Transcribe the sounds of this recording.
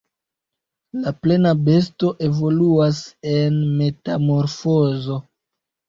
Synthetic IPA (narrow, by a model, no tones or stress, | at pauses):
laple̞nabe̞s̬to̞ʔe̞vo̞luase̞nme̞tamo̞ɾfo̞zo̞